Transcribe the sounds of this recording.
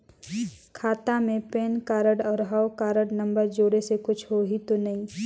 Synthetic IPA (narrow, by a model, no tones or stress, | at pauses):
kʰaːt̪amẽpeːnkaːɾəɽɔːɾɦawkaːɾəɽnɐ̃mbəɾd͡ʒoːɽesekʊt͡ʃʰɦoɦit̪onɐɦĩː